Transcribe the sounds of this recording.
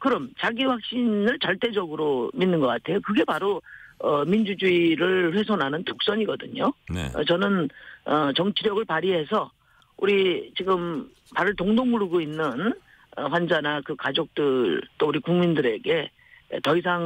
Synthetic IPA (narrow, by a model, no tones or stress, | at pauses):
kɯɾʌmt͡ɕaɡiɸwak̚ɕ͈inɯɭt͡ɕaɭt͈e̞d͡ʑʌɡɯɾominːɯnɡʌk͈atʰe̞jokɯɡe̞paɾoʌmind͡ʑud͡ʑuiɾɯɭɸwe̞sʰʌnɦanɯntok̚s͈ʌɲiɡʌdɯɲonʌ̰t͡ɕʌnɯnʌt͡ɕʌŋt͡ɕʰiɾjʌɡɯɭpaɾiɦe̞sʰʌ | uɾit͡ɕiɡɯm | paɾɯɭtoŋdoŋuɾɯɡoinːɯn | ʌɸwand͡ʑanakɯkad͡ʑok̚t͈ɯɭt͈ouɾikuŋmindɯɾe̞ɡe̞̰ | tʌis̬ʰaŋ